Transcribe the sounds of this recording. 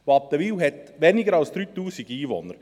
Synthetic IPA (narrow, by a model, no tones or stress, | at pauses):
voɑp̚d̥̪əʋiːwɦɛt̪ʋɛnɪɡəɾɑlsd̪̥ɾyːt̪uːsiɡiːʋɔ̰nəɾ